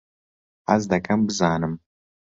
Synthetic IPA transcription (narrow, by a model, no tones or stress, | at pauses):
a̰zd̪ɐkʰʼɐmbɨzaːnɨm